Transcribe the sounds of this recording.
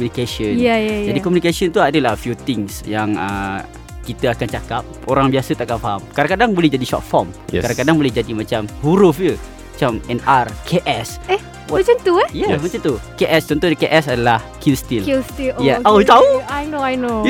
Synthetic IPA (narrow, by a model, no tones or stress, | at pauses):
komunikasənajajd͡ʒadikɔmunikasənt̪uadəlahfjut̪ɪŋsjaŋə̰ | kit̪əakant͡ʃakap̚oɾaŋbiasət̪akanfaɦamkadaŋkadaŋbolɛhd͡ʒadiʃɔ̰t̪̚fɔ̰mkadãŋkadaŋbolɛhd͡ʒadimat͡ʃamhuɾufjə | mat͡ʃamɛnarkʰeʔɛsɛ | wamat͡ʃant̪uɛjamat͡ʃant̪ukeʔɛst̪ɔnt̪odikeʔɛsadalahkilst̪ililst̪ijaʔat̪auajnoajno